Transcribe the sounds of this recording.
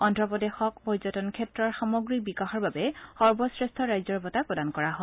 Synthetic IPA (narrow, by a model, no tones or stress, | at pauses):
ɔntɹɔpɔdexɔk̚pɔɹzɔtɔnkʰɛtɹɔɹxamɔɡɹikbikaxɔɹbabɛxɔɹbɔsɹestʰɔɹajzɔɹbɔtapɹɔdankɔɹaɦɔ